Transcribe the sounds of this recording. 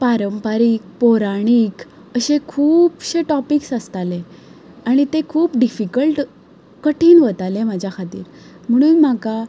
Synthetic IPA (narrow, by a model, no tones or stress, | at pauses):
paɾəmpaɾiːk̚poɾaɽ̃iːk | əɕekʰuːpɕeʈɔpiksəst̪alẽ | aɽ̃it̪ekʰuːpɖifikəlʈ | kəʈʰiːnʋət̪alemad͡ʑʱjakʰat̪ḭːɾ | m̤əɽ̃uːnm̤aka